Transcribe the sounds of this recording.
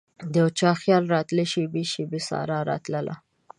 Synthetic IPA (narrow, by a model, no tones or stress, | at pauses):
d̪ət͡ʃɑxjɑlɾɑt̪ləʃibeʃibisɑ̰ɾɑɾɑ̰t̪ləlʔa̰